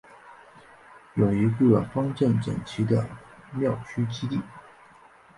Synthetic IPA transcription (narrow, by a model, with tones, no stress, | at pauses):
jo˨˩ʊi˧˥ɡə˥˧fɑ˥ŋʈ͡ʂə˥˩nʈ͡ʂə̰˨˩nt͡ɕʰi˧˥d̪ə˧mjɑ˥˨˩ʊt͡ɕʰy˥t͡ɕi˥t̪i˥˩